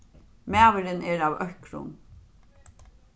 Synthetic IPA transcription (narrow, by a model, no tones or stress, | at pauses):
mæːʋəɾəneːɾɑːʋœkʰɾʊ̰ŋ